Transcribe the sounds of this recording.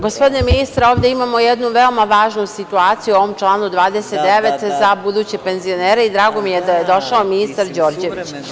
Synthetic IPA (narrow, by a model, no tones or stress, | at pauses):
ɡospo̞d̪ineminist̪ɾaoːʋd̪eimaːmo̞jed̪nuʋeo̞maʋaːʒnusit̪uaːt̪sijuoʋo̞mt͡ʃlˠaːnud̪ʋaːd̪eset̪̚d̪e̞ʋe̞t̪zabud̪uːt͡ɕepe̞nzio̞neːɾeid̪ɾaːɡo̞mijed̪ajed̪o̞ʃaominist̪aɾd͡ʑo̞ːɾd͡ʑe̞it͡ɕ